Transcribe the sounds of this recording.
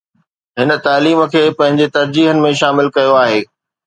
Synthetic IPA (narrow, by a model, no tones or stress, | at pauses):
ɦɪnə̆t̪aːliːmə̆kʰeːpɐ̃ɦɪ̃ɲd͡ʑet̪ɐɾd͡ʑiːɦənɪ̆mẽʃaːmɪlkɐjoaːɦeː